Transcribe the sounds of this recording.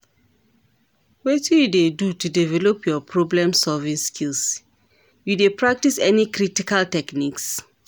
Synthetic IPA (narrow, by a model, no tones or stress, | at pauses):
wetijudedutudivɛlopjɔpʰɹɔblɛ̃msɔvĩskʰils | judepɹak̚tisɛnikɹitikaltɛkniks